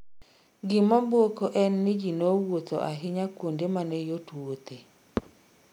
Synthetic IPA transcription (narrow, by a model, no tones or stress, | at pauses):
ɡɪmɔmbwokoʔɛnːɪd͡ʒinowot̪o̰ʔaɦɪɲakwondemanɛjotwot̪e